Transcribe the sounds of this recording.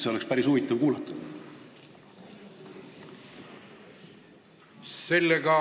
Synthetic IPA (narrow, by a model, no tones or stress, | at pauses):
seo̞lekspæɾisuvit̪ːˑɑvkuːlɑt̪ːˑud̪̥ | se̞lːeɡɑ